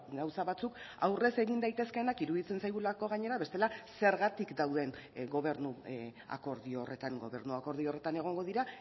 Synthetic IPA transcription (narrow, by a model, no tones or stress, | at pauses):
ɡawsaβat͡sukawre̞se̞ɣind̪ajt̪e̞ske̞nakiɾuðit͡se̞nsajɣulako̞ɣ̞aɲe̞ɾaβe̞st̪e̞lase̞ɾɣat̪ikd̪awðe̞nɡo̞β̞e̞ɾnua̰ko̞ɾðioore̞t̪aŋɡo̞̰βe̞̰ɾnuako̞ɾð̞io̞re̞t̪ane̞ɣ̞o̞ŋɡo̞ð̞iɾa